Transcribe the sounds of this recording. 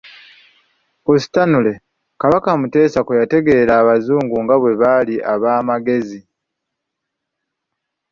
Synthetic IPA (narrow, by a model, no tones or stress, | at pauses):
osi̥tanule̞ | kaβakamute̞ːsakwejate̞ɡe̞ɾaːβazuːŋɡuŋɡaβwe̞βaliʔaβaːmaɡe̞zi